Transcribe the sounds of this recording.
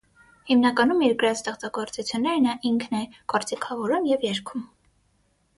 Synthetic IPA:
himnɑkɑnumiɾkəɾɑt͡sʰt̪ɛχt͡sɑɡɔɾt͡sut͡sʰjunːɛɾnɑʔiŋkʰnɛjɡ̥ɔɾt͡sikʰɑvɔɾumjɛvjɛɾkʰum

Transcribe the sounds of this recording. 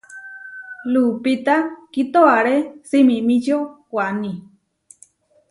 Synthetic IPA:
lupit̪akit̪oaɾesimimĩt͡ʃokʷani

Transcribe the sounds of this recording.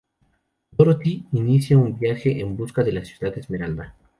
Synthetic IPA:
d̪oɾot̪iinisjaumbjaxe̞ʔembuskaðe̞lasjuðaðezme̞ɾald̪a

